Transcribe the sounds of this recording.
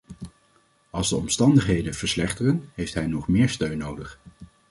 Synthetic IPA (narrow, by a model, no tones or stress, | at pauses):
ɑlˠzdəɔmstɑndəχɦejdənv̥əɹslɛχtərənɦejftɦɛjnɔχmɪːɹstøɥnːowdəχ